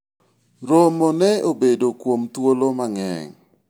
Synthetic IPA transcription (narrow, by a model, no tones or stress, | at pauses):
ɾomɔnɛobedokwomt̪wolomaŋɛ̰ŋ